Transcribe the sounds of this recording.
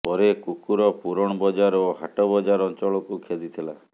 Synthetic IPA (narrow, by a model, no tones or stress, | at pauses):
pɔɾekukuɾɔpuɾɔɽ̃ɔbɔd͡ʒaɾoɦaʈɔbɔd͡ʒaɾɔnt͡ʃɔɭɔkukʰed̪it̪ʰila